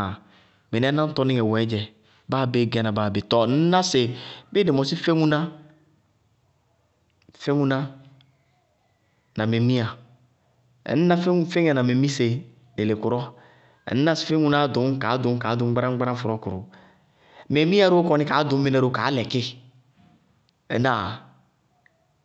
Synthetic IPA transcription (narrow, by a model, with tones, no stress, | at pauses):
me˨ɛ˦na˦n̩˦tɔ˦nɪ˦ŋɛ˨wɛ˨˦d͡ʒɛ˨ | baː˦be˦˨ɡa˦na˨baː˦˨be˨tɔ˨n̩˦na˦sɪ˨be˦de˨mɔ˨si˦fe˦ŋu˦na˦ | fe˦ŋu˦na˦ | na˨me˨mi˦a˨ | ɛ̰˨n̩˦na˦ffe˦ŋ˦a˨na˨me˨mi˦se˨ | de˨le˨kʊ˨ɾɔ˦ | ɛ̰˨n˦n˦a˦sɪ̥˨fe˦ŋu˦na˦dʊ˨˦mka˨˦dʊ˨˦m˦ka˨˦dʊ˨˦ɡ͡ba˦ɾa˦ŋ͡mɡ͡ba˦a˦fʊ˨ɾɔ˦kʊ˨ɾʊ̰˨ | me˨mi˦a˦ɾo˦kɔ˦nɪ˦ka˨˦dʊ˨˦e˦na˦ɾo˦ka˨˦lɛ˨kɪ˦ | ɛ̰˨˦na˨